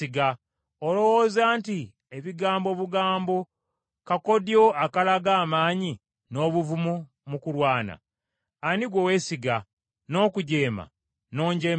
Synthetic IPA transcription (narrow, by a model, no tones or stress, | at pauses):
iɡa | olo̞wozaːnti | eβiɡaːmbo̞βuɡaːmbo̞ | kako̞djo̞akalaɡaːmaːɲi | no̞βuvumu | mukulwaːna̰ː | niɡwowe̞siɡa | no̞ːkuɟe̞ːma̰ | no̞ːɲɟeːm